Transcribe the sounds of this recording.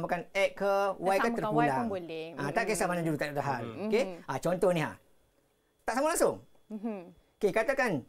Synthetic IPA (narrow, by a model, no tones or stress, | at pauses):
makanɛʔkəwajkat̪ərpulaŋlɛãt̪aʔkesamanad͡ʒuɾut̪aʔdaɦalokeat͡ʃɔnt̪ɔhnĩɦa̰ | t̪aʔsamalaŋsʊŋ | okekat̪akan